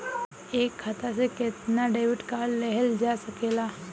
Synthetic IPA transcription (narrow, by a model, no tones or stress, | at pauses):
eːkʰːat̪asekɪt̪naɖeːʋɪʈkalːeɦəld͡ʒaːsɐkeːlaː